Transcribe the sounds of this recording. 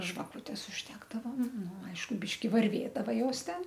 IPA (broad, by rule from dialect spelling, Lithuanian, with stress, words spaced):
ʒʋɐˈkuːtʲɛs ʊʒʲˈdʲæːɡdɐʋoːm ˈnʊ ˈɐɪʃkʊ ˈbʲiːʃʲkʲɪ ʋɐrʲˈʋʲeːdɐʋɐ ˈjoːs ˈtʲɛn